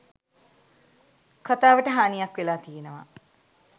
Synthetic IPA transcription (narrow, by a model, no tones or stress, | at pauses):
kʰat̪aːʋəʈəɦaːnijakʋelaːt̪ijenəʋa̰